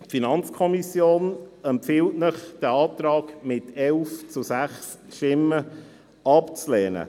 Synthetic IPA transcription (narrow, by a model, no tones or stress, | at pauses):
tfinɑnt͡skʰɔmisjoːnɛmpfɪltnəχd̥ɛɑːt̪ɾɑːkmɪtɛlft͡susæχs | ʃtɪmːə | ɑpt͡slɛːnə̰